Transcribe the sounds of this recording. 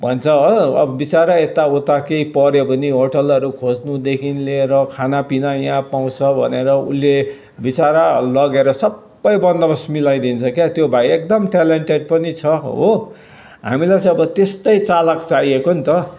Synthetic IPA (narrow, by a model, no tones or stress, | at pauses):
bʱʌnt͡sʰʌʌʌ̰bʌbit͡saɾaet̪aot̪akeipʌɾjobʱʌniɦoʈʌlʌɾukʰod͡znud̪ekʰinleɾʌkʰanapinajãpaw̃t͡sʰʌbʱʌ̰neɾʌṵlːe | bit͡saɾalʌɡeɾʌsʌbːʌjbʌnd̪ʌbʌsmilajd̪int͡sʰʌkjat̪jobʱaiek̚d̪ʌmʈaleɳʈeɖ̚pʌnit͡sʰʌɦo | ɦa̰milajt͡sʌ̃ʌbʌt̪est̪ʌjt͡salakt͡saiekont̪ʌ